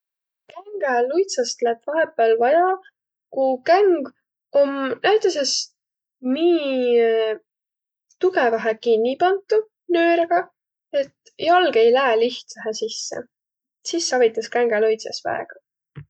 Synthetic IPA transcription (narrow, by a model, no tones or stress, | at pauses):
kæŋɡ̥elujt̪sɑst̪læb̥vɑɦe̞pːˑelvɑjɑ | kukæŋɡ | o̞mnæjt̪ˑɑse̞s | miː | t̪uɡevɑɦekinʲːipɑnt̪ːˑu | nøːɾeɡ̥ɑ | e̞t̪ | jɑlɡ̥ejlæːliht̪sæɦesisːḛ | sisːɑvit̪ːˑɑskæŋɡ̥elujt̪sɑsvæ̰ḛɡ̥ɑ